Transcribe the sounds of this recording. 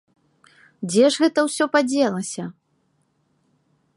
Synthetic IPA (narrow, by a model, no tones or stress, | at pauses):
d͡zʲɛʐɣɛt̪ɐwsʲɔpad͡zʲɛlˠɐsʲɐ